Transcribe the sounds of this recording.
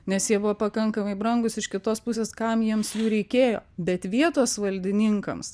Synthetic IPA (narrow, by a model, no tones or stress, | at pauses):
nʲɛsjiɛbʊʋoːpɐkɐŋkɐmɐɪbɾɐŋɡʊsɪʃkʲɪt̪oːspʊsʲeːskɐmjiɛmsjuːɾʲɛɪkʲeːjo̰ːbʲɛt̪ʋʲiɛt̪oːsʋɐlʲd̪ʲɪnʲɪŋkɐ̰ms